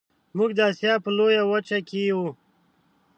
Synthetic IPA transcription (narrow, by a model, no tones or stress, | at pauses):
muɡd̪aːsjaːpəloːjawət͡ʃakiu